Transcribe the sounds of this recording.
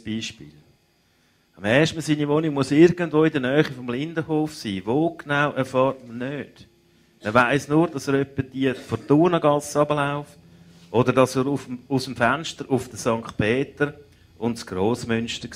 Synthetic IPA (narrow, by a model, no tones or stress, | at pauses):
b̥iːʃpḭːl | ɑmɛːʃtm̩siːnivonɪɡ̚muəsɪɾɡəndvoːidənœːχifɔmlɪndəhoːfsiːvoːknaʊʔɛɾfɑːɾtmənøːd̥ | məʋaɪsnuːɾdɑsəɾœpːəd̥iəfɔtuːnəɡɑlsɑbəlaʊft | ʔɔdəɾdɑsəɾuusəmfænʃtəɾʔʊfd̥əsɑŋkχt̚pʰeːtəɾ | ʊntsɡ̥roːsmʏnʃtək